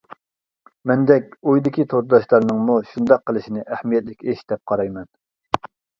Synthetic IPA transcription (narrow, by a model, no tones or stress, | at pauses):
mɛnd̪ɛkʲojd̪ɪkʲit̪ʰot̪d̪ɑʃlˠɑɾnɨŋmuʃund̪ɑqʰːəlˠɨʃinɪʔæhmijɛt̪̚lɪkʲeʃd̪̥ɛp̚qʰɑɾɑjmɛn